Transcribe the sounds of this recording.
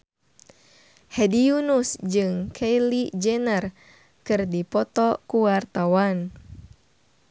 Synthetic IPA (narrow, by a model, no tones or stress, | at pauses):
hɛdiunusd͡ʒɨŋkʰejlid͡ʒɛnər | kɨrdipɔt̪ɔkuwart̪awan